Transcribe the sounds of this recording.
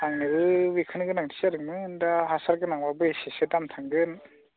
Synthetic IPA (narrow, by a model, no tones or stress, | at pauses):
aŋnɯbɯwikʰɯnɯɡɯnaŋtʰi̥saɾɯŋmɯɯndaɦasaɾɡɯnaŋbabɯesesedamtʰaŋɡɯn